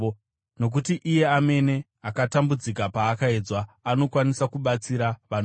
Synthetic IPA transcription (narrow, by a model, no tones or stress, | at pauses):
no̞k̬utiʔije̞ame̞ne̞ | akatambud͡zikapaːkae̞d͡zwaːno̞kwanisakuɓat͡siɾaʋan